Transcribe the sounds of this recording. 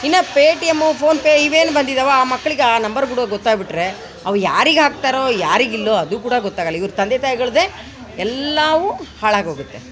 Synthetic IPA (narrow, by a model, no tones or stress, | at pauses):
inːɐpeːʈijemːupʰo̞ːnpeiʋe̞ːnubɐnd̪id̪aʋaaːmɐkːɐɭiɡeaːnɐmbɐɾk̬uːɽɡɔt̪ːaːɡbiʈɾe̞ | ɐʋjaːɾiɡɦaːk̚t̪aːɾoːjaːɾiɡilːoɐd̪ukuːɽɐɡɔt̪ːaːɡɐlːɐiʋɐɾut̪ɐnd̪et̪aːjiɡɐɭud̪e | ɛlːɐʋuhaːɭaːɡɦoːɡut̪ːe̞